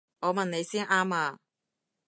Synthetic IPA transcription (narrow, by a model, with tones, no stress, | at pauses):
ŋɔː˨˧mɐ˨nne˨˧jsiː˥nʔaː˥maː˧